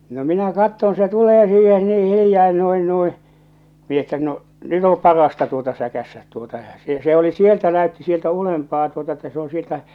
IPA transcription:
no minæ kɑtːon se tuleː siːhe niː hilĭjɑː no̝in nui mi etːæ no nyt o pɑrɑstɑ tuotɑ sækæsːæt tuotɑ j̊ɑ̥ se se oli sieltæ næøtːi sieltæ ulempɑː tuotɑ etːæ se õː sieltæ

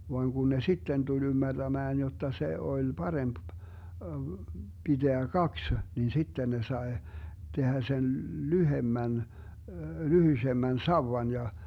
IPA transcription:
ʋoɑŋ kun ne sitːen tul ymːærd̥æmæːn jotːɑ se olʲ pɑremp b̥id̥eæ kɑks nin sitːen ne sɑe tehæ sen lyhemːæn lyhysemːæn sɑuwɑn jɑ

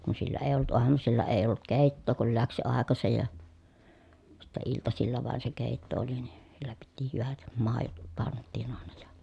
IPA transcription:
kun silːæ eˑi̯ olːut uɑmusilːɑ eˑi olːut keˑitːoː kul læks jo ɑˑekɑsej jɑ sitːɛ iltɑsilːɑ ʋɑˑen se keˑitːo oli ni silːæ piti hyʋæt mɑˑejot pɑntːiˑn ɑˑenɑ jɑ̥

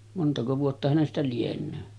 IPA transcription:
montɑko ʋuotːɑ hænestæ lienˑøː

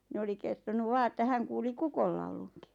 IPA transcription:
ni oli kertonuʋ ʋɑː etːæ hæŋ kuːli kukolːɑuluŋki̥

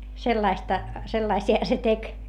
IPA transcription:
selːɑistɑ selːɑisiɑ se tek

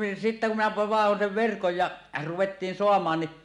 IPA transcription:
sitːæ kum minæ ʋɑehon seʋ ʋerkoj jɑ ruwetːiːn soɑmˑɑːn ni

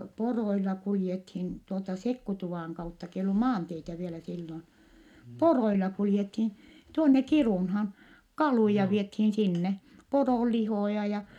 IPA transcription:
poroilːɑ kuljethin tuoltɑ sekːutuʋɑˑŋ kɑutːɑ k eij olːu mɑːnteitæ ʋielæ silːon poroilɑ kuljethin̞ tuonːe kiruˑnhɑːn kɑluˑjɑ ʋiethiːn sinːe poroˑlːihoˑjɑ jɑ

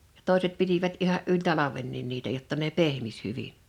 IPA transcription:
jɑ̥ toˑiset pitiʋæt ihɑʔ ʔylʲ tɑlɑʋenːin niːtæ jotːɑ ne pehmis hyʋin̥

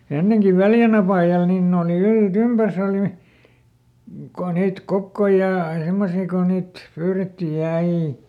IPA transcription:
enːeŋki ʋæljæn ɑpɑˑjɑl niːn ne oli yltympærs oˑli ko niːt kokːoi jɑ semːosiː ko niːt pyːretːij jɑ ɑi

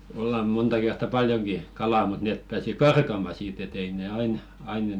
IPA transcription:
olːɑm̆ muntɑ kertːɑ pɑljoŋki kɑlɑˑ mut neˑp pæːsi kɑrkɑmɑ siːt et ei ne ɑin ɑin

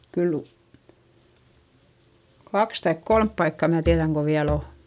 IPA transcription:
kyl kɑks tɑik kolmp pɑikːɑ mæ tiæðæŋ ko ʋiæl o

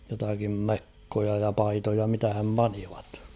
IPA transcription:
jotɑkim mekːojɑ jɑ pɑitojɑ mitæhæm pɑniʋɑ̥t

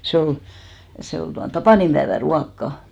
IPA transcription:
se ol se ol tuɑn tɑpɑˑnimb̥æeʋæ ruɑkːɑ

